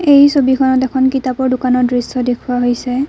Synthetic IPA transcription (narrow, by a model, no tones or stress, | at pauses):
ejsobikʰɔnɔtɛkʰɔnkitapɔɹdʊkanɔdɹisɔdekʰuwaɦojsɛ